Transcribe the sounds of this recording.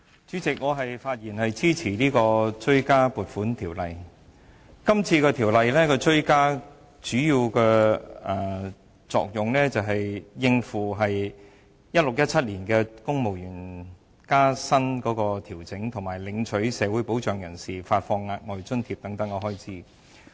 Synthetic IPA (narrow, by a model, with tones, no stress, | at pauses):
t͡ʃyː˨˥t͡sɪ˨k̚ŋɔː˨˧ɦɐ˨jfaː˧t̚jiː˨˩nhɐ˨jt͡sʰiː˥t͡sʰiː˨˩liː˥kɔː˧t͡ʃɵ˥ɥkaː˥puː˨˩t̚fuː˨˥nt̪ʰiː˨˩wlɐ˨j | kɐ˥mt͡sʰiː˧kɛː˧t̪ʰiː˨˩wlɐ˨jlɛː˥kɔː˧t͡sɵ˥ɥkaː˥ | t͡ʃyː˨˥jiː˧wkɛː˧ɐː˨˩ | t͡sɔ̰ː˨k̚jʊ˨ŋlɛː˥t͡sɐ˨wɦɐ˨jjɪ˧ŋfuː˨˩ɦɐ˨j | jɐ˥t̚lʊ˨k̚jɐ˥t̚t͡sʰɐ˥t̚liː˨˩nkɛː˧kʊ˥ŋmo˨˩wjyː˨˩n | kaː˥sɐ˥nkɔː˨˥kɔː˧t̪ʰiː˨˩wt͡sɪ˨˥ŋt̪ʰʊ˨˩ŋmaː˨˩jlɪ˨˧ŋt͡sʰɵ˨˥ɥsɛː˨˧wu˨˥jpo˨˥wt͡ʃœː˨ŋjɐ˨˩nsiː˨faː˧t̚fɔː˧ŋːaː˧k̚ŋɔː˨˩jt͡sɵ˥nt̪ʰiː˧p̚t̪ɐ˨˥ŋt̪ɐ˨˥ŋɔː˨˧ɦɔː˥jt͡sʰiː˨˥